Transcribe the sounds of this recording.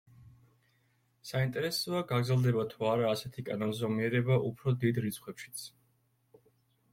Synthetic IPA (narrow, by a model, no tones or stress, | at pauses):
saint̪ʼɛɾɛsɔaɡaɡɾzɛlˠd̪ɛbat̪ʰuaɾaːsɛt̪ʰikʼananzɔmiɛɾɛbaʔupʰɾɔd̪id̪ɾit̪sʰχwɛpʃi̥t̪sʰ